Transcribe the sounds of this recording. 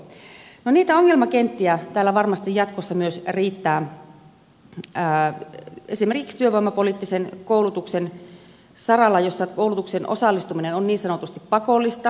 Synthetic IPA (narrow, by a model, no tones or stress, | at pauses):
noniːt̪æoŋːelmɑkent̪ːiæt̪æːlːæʋɑrmɑst̪ijjɑt̪kosːɑmyøsriːt̪ːæː | esimerkikst̪yøʋoimːɑpoliːˑt̪ːisenkouwlut̪uksen | sɑrɑlːɑjosːɑkoulut̪uksenʔo̰sɑlːist̪uminenonniːnsɑnot̪ust̪ippɑkolːist̪ɑ